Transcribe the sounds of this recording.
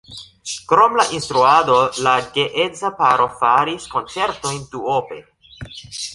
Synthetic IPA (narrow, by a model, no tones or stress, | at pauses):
kɾo̞mlaʔinst̪ɾuado̞laɡeʔezapaɾo̞faɾisko̞nt͡se̞ɾto̞jnduope̞̰